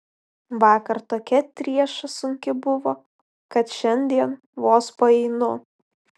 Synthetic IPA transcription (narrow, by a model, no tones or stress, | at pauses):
ʋɑːkɐɾt̪oːkʲɛt̪ʲɾʲiɛʃɐsʊŋʲkʲɪbʊʋoː | kɐt̪ʃʲɛnʲd̪ʲiɛn | ʋoːspɐɛɪnʊ